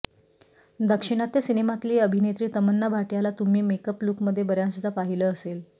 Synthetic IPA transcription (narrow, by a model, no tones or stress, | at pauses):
d̪əkʂiɽ̃at̪esinemat̪liːəbʱinet̪ɾiːt̪əmənːabʱaʈjalat̪um̤iːmekəpluːkməd̪ʱːjebəɾjãsd̪ʱapaɦiləːsel